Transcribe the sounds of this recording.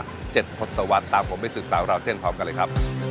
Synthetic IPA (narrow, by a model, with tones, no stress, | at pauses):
t͡ɕe˨˩t̪̚pʰo˦˥t̪̚sa˧wa˦˥t̪ːaː˧mpʰo˩˦ma˧˩sɯː˨˩k̪̚saː˩˦wɾa˧wt͡ɕ̪ʰi˥˩npʰɾɔː˦˥mka˧lɤː˧jkʰa˦˥p̚